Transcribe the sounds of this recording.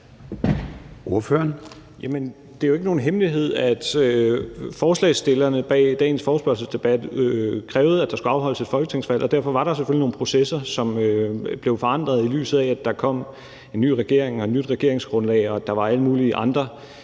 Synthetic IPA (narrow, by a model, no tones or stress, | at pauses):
o̝ɐføɐn | jæmən | d̥e̝jo̝e̝ɡəno̝ːn̩ɦemliɦe̝ð̰ˠæd̥øfɒːslɛ̰ːsd̥e̝lɐnəb̥ɛ̰ːɪd̥ɛ̰ːn̩sfɒːsb̥ɶɐsəsd̥e̝b̥æd̥økʰʁɛːʊð̞̩ˠæd̥ɑ̈sɡ̥uɑ̈ʊɦɒ̽l̰əse̝d̥fɒ̽lɡ̥ət͡sʰe̝ŋsfæl̰ʔɒd̥æɐfɒ̽ʋɑ̈ɾɑsefølino̝ːn̩pʰʁo̝sesɐsɒ̽møb̥le̝ʊfɒ̽ɑ̈n̰d̥ʁɐð̞ˠily̰ːsð̩ˠææd̥ɑ̈kʰɒ̽m̰ | e̝nːy̰ːʁɛɡ̥e̝ɐ̰eŋɒ̽ednyd̥ʁɛɡ̥e̝ɐ̰e̝ŋsɡ̥ʁɔ̽nlɛ̰ɪɒ̽d̥ɑ̈ʋɑ̈æləmuːliʔɑ̈nd̥ʁɐ